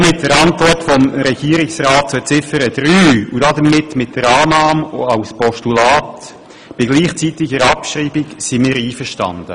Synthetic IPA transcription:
mɪt̚dəɾɑntvɔrtfɔmɾɛɡ̥iːəɾɪksrɑːt̚t͡sut͡sɪfəɾəd̥ɾyːudɑdəmɪtmɪt̚d̥əɾɑːnɑːmɑʊspɔʃtulɑːt | b̥ɪɡliːχt͡sitɪɡəɾɑpʃriːbɪksimɪːɾiːfəʁʃtɑ̰ndə̰

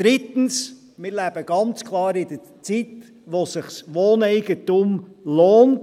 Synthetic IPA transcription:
d̥ɾit̪n̩s | mɪɾlæb̥əɡ̥ɑnt͡skʰlˠɑːɾɪd̥ə | t͡sit | ʋosɪχsʋoːnɛɪɡətumloːnt

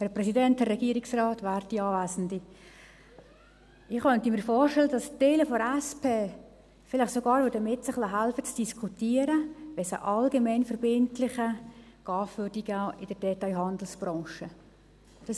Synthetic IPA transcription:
hæɾprɛsidɛnthɛrɛɡiːəɾiksrɑːtʋæːɾtdiɑːvæːsn̩di | ɪχχœntəmiːɾfoːrʃtɛlədɑstɛːləfɔæspʰeː | fɪlɪχsoɡɑːɾʋødəmɪtsəχlɑɦælfət͡sd̥iskʰutiːəɾəʋɛsə̰ʔɑlɡɛmɛnfɛɾbɪntlɪχəɡ̥ɑːfʋørdiɡɪd̥əɾd̥ɛtɑɪɦɑnd̪l̩sb̥rɔ̃ːʃə | d̥ɑs

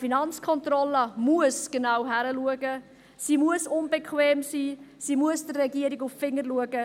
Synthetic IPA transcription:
finɑnt͡skʰɔntrɔləmuəsɡ̥ənawɦæɾəluəɡə | siːmuəsʊnb̥əkʰweːmsiːsiːmuəsdərːɛɡiəɾiɡʊffɪŋːəɾluəɡə

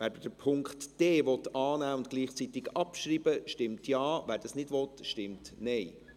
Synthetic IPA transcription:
væːɾdəd̥əpʰʊŋkχtd̥eːʋɔtɑːnæːʊntɡ̥liːχt͡sitɪɡɑpʃɾiːbəʃtɪmtjɑːvæːɾd̥ɑsnɪdʋɔtʃtɪmtnɛj

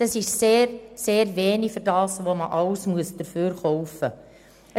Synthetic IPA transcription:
ɑsɪʃseːɾseːɾveːnifʏɾdɑːsʋoməʔɑwsmuəsd̥əɾfyːɾχɔʊfə | ə

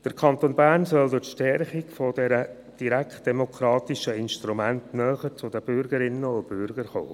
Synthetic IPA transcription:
d̥əɾkʰɑnt̪oːnbæːrnsœldʊtʃtɛɾχikfodɛɾə | d̥iɾæktd̥ɛmokʰɾɑːt̪iʃəɪnʃtɾumæntnœːχəɾt͡sʊdəb̥ʏɾɡəɾɪnːəʊnb̥ʏɾɡ̥əɾχo̰ː

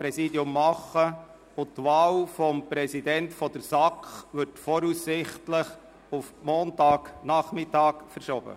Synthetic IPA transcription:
pɾɛsiːdiʊmːɑχːə | ʊt̪ʋɑːlfɔmpɾɛsidɛntfɔd̥̪əɾsɑkχʋʏɾtfɔːɾusːɪχtləχ | ufmɔːntɑːknɑχmɪtɑːkfəɾʃɔb̥ə̰

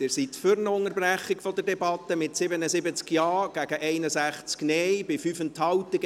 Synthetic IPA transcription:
ɪsitfʏɾnəʊŋəɾbɾæχːɪkfɔd̪əɾdɛbɑt̪ːəmɪtsɪbənəsɪbət͡skjɑːɡ̥æɡ̥əʔɛɪnəsæχt͡sknɛjbɪfyfənthɑwt̪ɪɡ

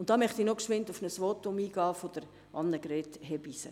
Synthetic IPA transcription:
ʊnt̚d̥ɑːmœχt̪inokʃʋɪntʊfnəsʋotʊmiːɡ̥ɑːfod̥̪əɾ | ɑnːəɡɾetɦɛbisə̰

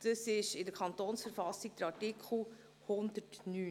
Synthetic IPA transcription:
d̥əsɪʃɪdəɾkʰɑntoːnsfəɾfɑsːiɡ̥̚d̥əɾɑɹtikʰχl̩ | hʊnd̪ətnyː

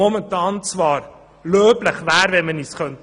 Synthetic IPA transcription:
ɔməntɑːnt͡svɑːr | løːpləχvæːɾvɛnmənisχœnt

